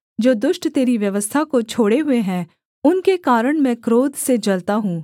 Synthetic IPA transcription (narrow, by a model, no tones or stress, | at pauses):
d͡ʒoːd̪ʊʃʈt̪eːɾiʋjɐʋəst̪ʰakot͡ʃʰoːɽeɦʊeɦɛ̃ː | ʊnkekaːɾəɽ̃mɛ̃ːkɾoːd̪sed͡ʒɐlt̪aɦũː